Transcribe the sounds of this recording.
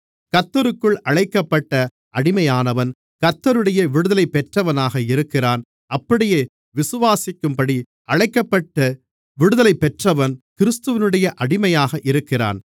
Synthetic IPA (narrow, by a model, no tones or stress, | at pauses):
kɐt̪ːɐɾɯkːɯɭɐɻɐɪkːɐpːɐʈːɐ | ʔɐɽɪmɐjaːnɐʋɐn | kɐt̪ːɐɾɯɽɐjɐʋɪɽɯðɐlɐɪpːɛʈrɐʋɐnaːɣɐɪɾɯkːɪraːn | ɐpːɐɽɪjeː | ʋɪsɯʋaːsɪkːɯmpɐɽi | ʔɐɻɐɪkːɐpːɐʈːɐ | ʋɪɽɯðɐlɐɪpːɛʈrɐʋɐnkɪɾɯst̪ɯʋɪnɯɽɐjɐʔɐɽɪmɐjaːɣɐʔɪɾɯkːɪra̰ːn